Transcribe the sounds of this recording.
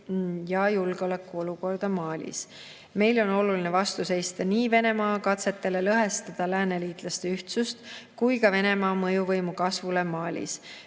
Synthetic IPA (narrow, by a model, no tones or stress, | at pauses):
jɑjulɡ̥eo̞lækːˑuo̞luko̞rd̪̥ɑmɑːlʲḭs | me̞jlo̞no̞lulinevɑst̪use̞jst̪ɑniːve̞ne̞mɑːkɑt̪se̞t̪ːˑe̞le̞lɤɦe̞st̪ɑd̪̥ɑlæːneliːt̪lɑst̪e̞yht̪sust̪kujkɑve̞ne̞mɑːmɤjuvɤjmukɑsvule̞mɑːlʲḭs